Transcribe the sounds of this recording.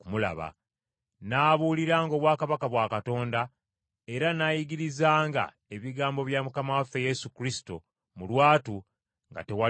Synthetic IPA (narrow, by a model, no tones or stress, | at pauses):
kumula̰βa̰ | naːβuːliɾaːŋɡo̞βwaːkaβakaβwaːkato̞ːnda | e̞ɾanajiɡiɾizaːŋɡa̰ | e̞βiɡaːmbo̞βjamukamawafeje̞sukɾisi̥to̞̰ | mulwaːtu | ŋɡa̰te̞wa